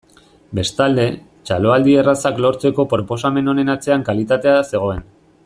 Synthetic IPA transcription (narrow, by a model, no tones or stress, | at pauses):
be̞st̪ald̪e̞ | t͡ʃalo̞ald̪ierasaklo̞ɾt͡se̞ko̞pɾo̞po̞same̞no̞ne̞nat͡se̞aŋkalit̪at̪e̞ase̞ɣ̞o̞e̞n